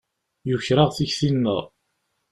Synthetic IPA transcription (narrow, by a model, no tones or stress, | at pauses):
jʊçɾaʁθiçθinːə̰ʁ